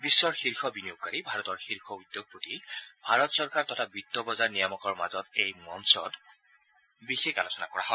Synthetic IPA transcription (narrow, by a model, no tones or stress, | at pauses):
bisːɔɹxiɹxʰɔbinijokkaɹibʱaɹɔtɔɹxiɹkʰɔud̪ːjoɡ̚pɹotibʱaɹɔtsɔɹkaɹtɔtʰabitːɔbɔzaɹnijɔmɔkɔɹmazɔtejmɔnsɔ̰d | bixekalosɔna̰kɔɹa̰ɦɔ